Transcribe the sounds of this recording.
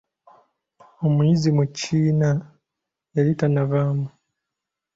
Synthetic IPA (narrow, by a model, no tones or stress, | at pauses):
omuizimucʰiːna | jalitanavaːmu